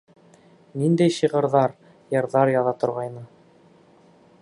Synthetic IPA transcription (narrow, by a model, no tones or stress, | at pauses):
nind̪æjʃiʁɤ̆ɾðɑɾ | jɤ̆ɾðɑɾjɑðɑt̪ŏɾʁɑjnɤ